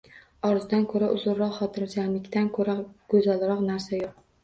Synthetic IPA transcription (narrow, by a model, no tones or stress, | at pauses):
ɒɾzɪd̪ankʰɵɾaʔʊzʊɾːɒqχɒt̪ʰɪɾd͡ʒanlɪkʲt̪ʰankʰɵɾaɡ̥ɵzalɾɒqnaɾsajoq̚